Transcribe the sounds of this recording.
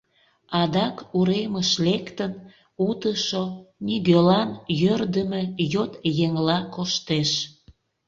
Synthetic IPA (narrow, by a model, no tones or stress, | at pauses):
ɑd̪ɑkuɾeməʃlekt̪ən | ut̪əʃoniɣølɑnjørd̪əmejot̪jeŋlɑkoʃt̪eʃ